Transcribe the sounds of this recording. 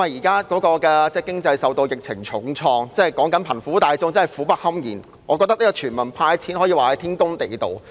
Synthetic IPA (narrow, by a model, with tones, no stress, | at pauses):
a˨˩jiː˨˩kaː˥kɔː˨˥kɔː˧kɛː˧t͡sɛː˥kɪ˥ŋt͡sɐ˧jsɐ˨wt̪o˧wjɪ˨k̚t͡sʰɪ˨˩ŋt͡sʰʊ˨˥ŋt͡sʰɔː˧ŋt͡sɛː˥˩kɔː˨˥ŋkɐ˨˥npʰɐ˨˩nfuː˨˥t̪aː˨jt͡sʊ˥ŋt͡sɐ˥ɐ˨˩fuː˨˥pɐ˥t̚hɐ˥mjḭː˨˩n | ŋɔː˨˧kɔː˧t̪ɐ˥niː˥kɔː˧yː˨˩nmɐ˨˩npʰaː˧jt͡sʰiː˨˥nhɔː˨˥jːwaː˨hɐ˨˥jt̪ʰiː˥nkʊ˥ŋt̪e˨jt̪o̰˨w